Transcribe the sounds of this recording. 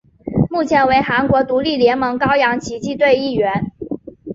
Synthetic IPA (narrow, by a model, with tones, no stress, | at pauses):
mu˥˩t͡ɕʰjɛ˧˥nwe˧˥ɪxa˧˥nkwɔ˧˥t̪u˧˥li˥˩ljɛ˧˥nmɤ˧˥ŋkɑ˥ʊjɑ˧˥ŋt͡ɕʰi˧˥t͡ɕi˥˧t̪̬we˥˧ɪi˥˩ɥɛ˧˥n